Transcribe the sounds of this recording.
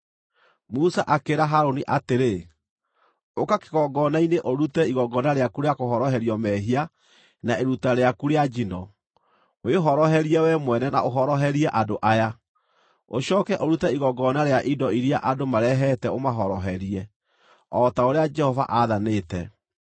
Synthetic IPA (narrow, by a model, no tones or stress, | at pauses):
musaʔakeɾaɦaɾoniʔateɾe | okake̥ɣɔɡɔnaineʔoɾutɛiɣɔɡɔnaɾeakuɾeakoɦɔɾɔɦɛɾiɔmɛɦia | naeɾutaɾeakuɾead͡ʒinɔ | weɦɔɾɔhɛɾiɛwɛmwɛnɛnaʔoɦɔɾɔɦɛɾiɛʔadoʔaja | oɕɔːkɛʔoɾutɛiɣɔɡɔnaɾeaʔidɔiɾiaʔadomaɾɛɦɛtɛomaɦɔɾɔɦɛɾiɛ | ɔtaoɾead͡ʒɛhɔva̰ʔaðanetɛ